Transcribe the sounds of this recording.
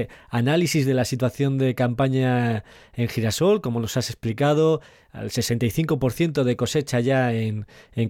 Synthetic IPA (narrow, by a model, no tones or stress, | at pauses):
analisizðe̞lasit̪waθjo̞nd̪e̞kampaɲa | e̞ŋxiɾaso̞lko̞mo̞no̞sase̞splikað̞o̞ | a̰lse̞se̞nt̪ajθiŋko̞po̞ɾθje̞nt̪o̞ð̞e̞ko̞se̞t͡ʃaʝaeneŋ